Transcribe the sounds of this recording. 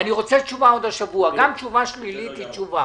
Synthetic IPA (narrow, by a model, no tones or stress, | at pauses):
aniʁot͡sɛt͡ʃuvaod̪aʃavuaɡamt͡ʃuvaʃlilit̪it͡ʃuva